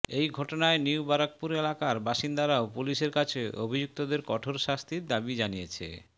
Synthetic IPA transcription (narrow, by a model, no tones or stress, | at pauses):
ejɡʱɔʈonaeniwbaɾak̚puɾelakaɾbaʃind̪aɾaopuliʃeɾkat͡ɕʰeobʱid͡ʑuk̚t̪od̪eɾkɔʈʰoɾʃast̪ʰiɾd̪abid͡ʑanijet͡ɕʰḛ